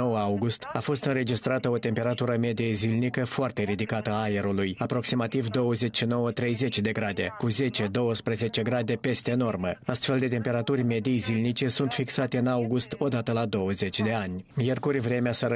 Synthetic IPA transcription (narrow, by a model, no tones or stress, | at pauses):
o̞wəawɡust̪afo̞st̪ɨnɾe̞d͡ʒist̪ɾat̪əo̞t̪e̞mpe̞ɾat̪uɾəme̞d̪ijezilnikəfoart̪e̞ɾid̪ikat̪əaːjeɾulujapɾo̞ksimat̪ivd̪o̞wəze̞t͡ʃʃino̞wət̪ɾe̞jze̞t͡ʃʲd̪e̞ɡɾad̪e̞kuze̞t͡ʃe̞d̪o̞wəspɾəze̞t͡ʃe̞ɡɾad̪e̞pe̞st̪eno̞rməast̪fe̞ld̪e̞t̪e̞mpe̞ɾat̪urʲme̞d̪iejzilnit͡ʃe̞sunt̪fiksat̪e̞ɨnawɡust̪o̞d̪at̪əlad̪o̞wəze̞t͡ʃʲd̪e̞anʲmjerkurʲvɾe̞measəɾ